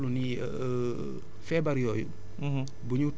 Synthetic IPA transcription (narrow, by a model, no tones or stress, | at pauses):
luni | fɛbaɾjojṵ | buɲut